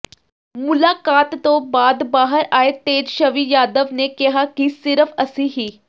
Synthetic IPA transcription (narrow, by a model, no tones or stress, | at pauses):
mʊlaːkaːt̪ːõbaːd̪baːɦəɾaːet̪eːd͡ʒʃɐʋijaːd̪əʋnekɪɦakisɪɾfʰɐsiɦiː